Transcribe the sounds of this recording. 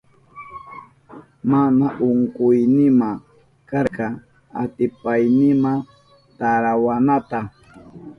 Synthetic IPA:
manaʔʊŋqʊjnɪma | kaɾqɑ | a̰t̪ɪpajnɪma | t̪aɾawanat̪a

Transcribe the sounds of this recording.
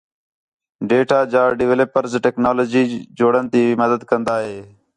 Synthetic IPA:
ɖeːʈaːd͡ʒaːɖɪʋeːləpːəɾzʈeːknaːloːd͡ʒiːd͡ʒoːɽənt̪iːməd̪əd̪kənd̪aːɦeː

